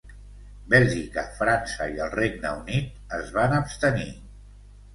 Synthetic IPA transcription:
bɛlʒikəfɾansəiəlˠreɡnəunit̪̚ | əzβanəpst̪ənḭ

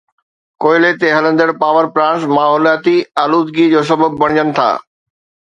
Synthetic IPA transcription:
koːɪlet̪eɦɐlə̃nd̪əɽpaːʋəɾpɾãːsmaːɦɔːljaːt̪iaːluːd̪ɡid͡ʑoːs̬ɐbəb̚ːɐɽ̃d͡ʑənɪ̆t̪ʰa̰ː

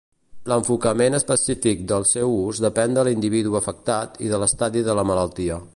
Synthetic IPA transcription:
ləɱfukəmenəspəsifik̚d̪əlˠsɛwuzd̪əpɛnd̪əlind̪iβiðuəfək̚t̪at̪iðələst̪aðiðələmələlˠt̪iə

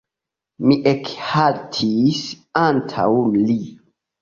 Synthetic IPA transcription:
miʔekhaltʰis | antʰa̰wli

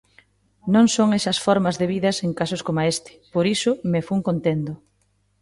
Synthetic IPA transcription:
nõŋsoŋesɐsfɔɾmɐzðeβiðɐseŋkasoskomaest̪ɪ̥poɾisʊmefuŋkont̪end̪ʊ

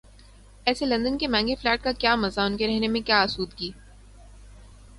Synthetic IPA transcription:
ɛːselɐ̃nd̪ənkemɛ̃ːŋɡeflɛːʈ̚kakjaːmɐzaʊnkeɾɛɦnemẽkjaːɐsuːd̪kiː

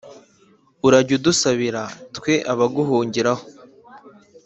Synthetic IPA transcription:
uɾaɟudusaβiɾatkwe̞ʔaβaɡuɦuːɲɟiɾaho̥

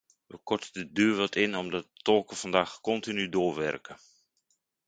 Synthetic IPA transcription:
ʋəkɔɹtədədøːɹʋɑtʰɪnɔmdɑt̚ətɔlˠkəv̥ɑndaːxkɔntinydoːɹʋɛ̰rkə

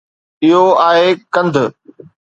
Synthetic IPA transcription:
ɪɦoaːɦekɐ̃nd̪ʱ

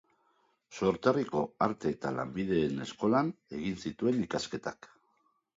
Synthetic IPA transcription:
so̞ɾt̪ariko̞aɾt̪e̞ːt̪ala̰mbið̞e̞ːne̞sko̞lane̞ɣinsit̪ue̞nikaske̞t̪ak

